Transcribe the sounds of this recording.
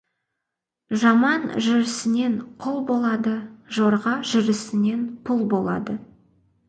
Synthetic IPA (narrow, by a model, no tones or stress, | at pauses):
ʒɑmɑnʒʏɾɪsɪne̞nqʰʊlˠbo̞lˠɑd̪əʒoɾʁɑʒʏɾɪsɪne̞npʰʊlˠbo̞lˠɑ̰d̪ə